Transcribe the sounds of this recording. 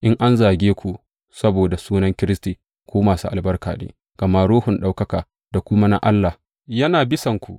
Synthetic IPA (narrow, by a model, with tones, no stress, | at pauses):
ʔɪ˦ŋʔa˦nzaː˨ɡʲeː˦kʷu˨ʔ | sɐ˦boː˨da˨suː˦nɐ˦ŋkʲɪ˦ɾɪ˦stiː˨ | kʷoː˦maː˨sṵ˦ʔa˨lbɐ˦rka̰ː˨nḛː˦ | ɡ̥ɐ˨ma˦ɽoː˦hʊ˨nɗa˦wkɐ˦kaː˨ | d̥a˨kʷʊ˦ma˦na̰˦ʔa˦lːa˨ | jɐ˦naː˨bɪ˦sɐ˨ŋkʷu˨ʔ